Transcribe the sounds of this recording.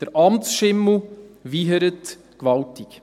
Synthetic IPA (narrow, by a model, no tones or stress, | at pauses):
d̪̥əɾʔɑmt͡sʃɪml̩ʋiːɦəɾət | kʋɑltik